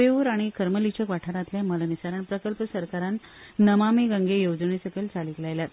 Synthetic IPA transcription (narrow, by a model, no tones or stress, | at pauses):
euɾaɽ̃ikəɾməlit͡ɕəkʋaʈʰaɾat̪ljaməlanisaɾəɳpɾəkəlpəsəɾkaɾanːəmameɡə̃ŋɡejod͡zəɳesəkəlt͡saliklajlat̪